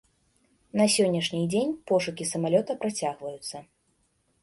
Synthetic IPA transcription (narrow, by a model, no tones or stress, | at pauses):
nɐsʲɔnʲːɐʂnʲid͡zʲenʲpɔʂukʲisɐmalʲɔt̪ɐpɾat͡sʲaɣvɐjut̪sːɐ